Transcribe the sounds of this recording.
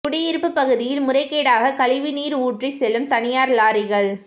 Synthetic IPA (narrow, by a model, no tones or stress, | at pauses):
kʊɽɪɪɾɯpːɯpːɐɣɯðɪjɪlmʊrɐɪkːeːɽaːɣɐkɐlɪʋɪniːɾuːʈrisɛlɯmt̪ɐnɪjaːɾlaːɾɪɣɐɭ